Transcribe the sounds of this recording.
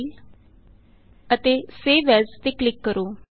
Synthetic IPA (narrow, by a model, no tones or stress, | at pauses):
ət̪eːseːʋɛːzt̪eːklɪkːəɾoː